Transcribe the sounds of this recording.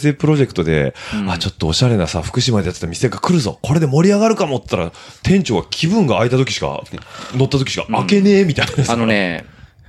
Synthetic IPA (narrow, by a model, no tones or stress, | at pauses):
se̞pɯ̟ɾo̞ʑe̞kɯ̟t̪o̞d̪e̞̰at͡ɕo̞t̪ːo̞ːɕaɾe̞nasaɸɯ̥kɯ̟ɕimad̪e̞jat̪ɨ̥t̪amʲiseɡakɯ̟ɾɯ̟zo̞̰ko̞ɾe̞d̪e̞mo̞ɾʲiaɣaɾɯ̟kamo̞t̪t̪ːaɾa̰t̪ʰẽ̞ɲ̟t͡ɕo̞ːɡakʲʰibɯ̟̃ŋɡaːit̪at̪o̞kʲi̥ɕi̥ka̰no̞t̪ːat̪o̞kʲiɕi̥ka̰ake̞ne̞ːmʲit̪ainad̪esne